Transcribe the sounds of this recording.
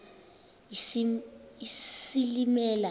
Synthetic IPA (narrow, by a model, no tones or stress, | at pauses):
isilimɛːla